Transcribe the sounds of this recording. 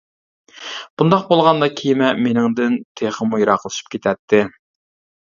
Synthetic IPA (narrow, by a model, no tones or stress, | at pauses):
b̥und̪ɑq̚bolˠʁɑnd̪ɑkʲʰijmɛmenɪŋd̪ɪnt̪ʰeχəmujiɾɑqəlˠɨʃi̥p̚kʲet̪ʰɛt̪ʰːɪ